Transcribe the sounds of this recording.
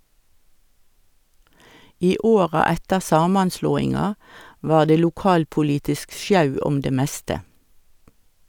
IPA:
ˈiː ˈoːʁɑ ˈɛtəʁ ˈsɑːmɑnˌsloːɪŋɑ ˈʋɑːʁ ˈdeː luːˈkɑːlpʊˌliːtɪsk ˈsjɑʉ ˈɔm ˈdeː ˈmɛstə

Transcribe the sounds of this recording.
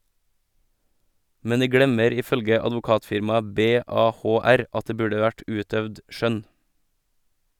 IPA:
ˈmɛn ˈdiː ˈɡɽɛməɾ ˈiː ˈfœlɡə ɑdʋʊˈkɑːtfɪɾmɑə ˌbeːˌɑːˌhoːˈæɾ ˈɑt ˈdeː ˈbʉːɖə ˈʋæʈ ˈʔʉːtœʋd ˈʃœn

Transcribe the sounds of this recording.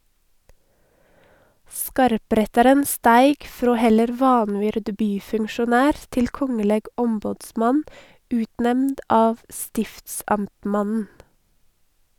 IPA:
ˈskɑɾˌpɾɛtɑɾən ˈstæɪɡ ˈfɾoː ˈhɛləɾ ˈʋɑnˌʋʏɾd ˈbyːfʉŋʃʊˌnæːɾ ˈtɪl ˈkɔŋəlɛɡ ˈʔɔmbɔdˌsmɑn ˈʉːtˌnɛmnd ˈɑːʋ ˈstɪftsɑmtˌmɑnn̩

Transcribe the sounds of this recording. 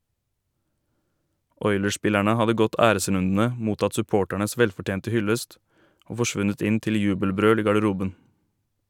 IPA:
ˈɔʏləˌʃpɪlæɳə ˈhɑdə ˈɡɔt ˈæːɾəˌsɾʉndn̩ə ˈmuːtɑt sʉˈpoːʈæɳəs ˈʋɛlfɔˌʈjeːntə ˈhʏləst ˈoː fɔˈʃʋʉnət ˈɪn ˈtɪl ˈjʉːbəlˌbɾøːl ˈiː ɡɑɖəˈɾuːbən

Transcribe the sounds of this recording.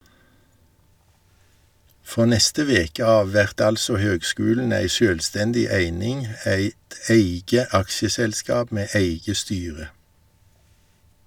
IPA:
ˈfʁoː ˈnɛstə ˈʋeːkə ˈɑːʋ ˈʋɛʁt ˈɑlsɔ ˈhøːɡˌskʉːln̩ ˈæɪ ˈʃøːlˌstɛndɪ ˈæɪnɪŋ ˈæɪt ˈæɪɡə ˈɑkʃəˌsɛlˌskɑːb ˈmeː ˈeɪɡə ˈstyːʁə

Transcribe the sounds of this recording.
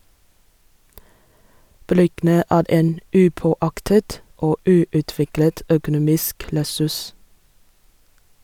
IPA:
ˈbɾʏɡn̩ə ˈæːɾ ˈeːn ˈʉːˌpoːˌɑktət ˈoː ˈʉːʉˌtʋɪklət ˈœkʊˌnuːmɪsk lɛˈsʉs

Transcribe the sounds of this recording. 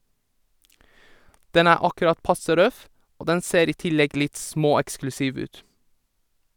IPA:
ˈdɛn ˈæː ˈɑkʉɾɑt ˈpɑsə ˈɾœf ˈoː ˈdɛn ˈseːɾ ˈiː ˈtɪlɛɡ ˈlɪt ˈsmoːɛksklʉˌsiːʋ ˈʉːt

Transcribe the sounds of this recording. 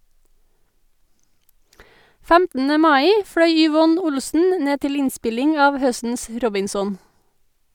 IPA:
ˈfæmtn̩ə ˈmɑːiː ˈfɽœʏ ʏˈʋɔn ˈʊlsn̩ ˈneː ˈtɪl ˈɪnˌspɪlɪŋ ˈɑːʋ ˈhœstn̩s ˈɾɔbɪnsɔn

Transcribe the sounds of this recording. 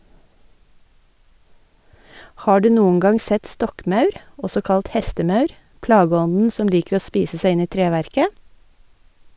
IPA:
ˈhɑː ˈɖʉː ˈnuːn̩ ˈɡɑŋ ˈsɛt ˈstɔkˌmɑʉɾ ˈɔsɔ ˈkɑlt ˈhɛstəˌmɑʉɾ ˈplɑːˌɡɔnn̩ ˈsɔm ˈliːkəɾ ˈoː ˈspiːsə ˈsæɪ ˈɪn ˈiː ˈtɾeːʋæɾkə

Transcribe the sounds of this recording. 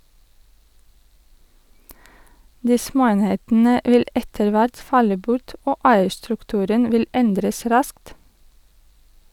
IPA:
ˈdiː ˈsmoːˌeːnheːtn̩ə ˈʋɪl ˈɛtəɭ ˈʋæɾt ˈfɑlə ˈbʊʈ ˈoː ˈæɪəɾstɾʉkˌtʉːɾən ˈʋɪl ˈɛndɾəs ˈɾɑskt

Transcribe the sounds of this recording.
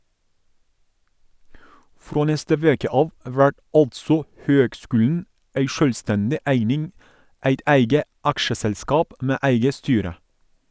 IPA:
ˈfɾoː ˈnɛstə ˈʋeːkə ˈɑːʋ ˈʋæʈ ˈɑltsɔ ˈhøːɡˌskʉːln̩ ˈæɪ ˈʃœlˌstɛndɪ ˈæɪnɪŋ ˈæɪt ˈæɪɡə ˈɑkʃəsɛlˌskɑːp ˈmeː ˈæɪɡə ˈstyːɾə

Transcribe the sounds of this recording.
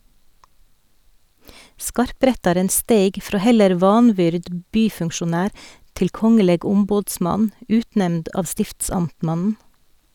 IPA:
ˈskɑɾˌpɾɛtɑɾən ˈsteɪɡ ˈfɾoː ˈhɛləɾ ˈʋɑːnˌʋʏɾd m ˈbyːfʉŋʃʊˌnæːɾ ˈtɪl ˈkɔŋəleːɡ ˈʊmboːdˌsmɑn ˈʉːtˌnɛmnd ˈɑːʋ ˈstɪftsɑmtˌmɑnn̩

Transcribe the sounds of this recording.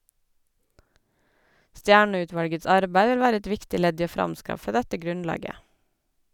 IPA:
ˈstjæːɳœˌʉːˌtʋɑlɡəs ˈɑɾbæɪ ˈʋɪl ˈʋæːɾə ˈɛt ˈʋɪktɪ ˈlɛd ˈiː ˈoː ˈfɾɑmˌskɑfə ˈdɛtə ˈɡɾʉnˌlɑːɡə

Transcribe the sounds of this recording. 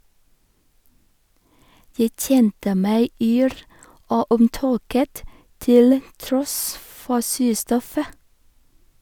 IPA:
ˈjæɪ ˈc͡çɛntə ˈmæɪ ˈyːɾ ˈoː ʊmˈtoːkət ˈtɪl ˈtɾɔs ˈfɔ ˈsʉːˌstɔfə

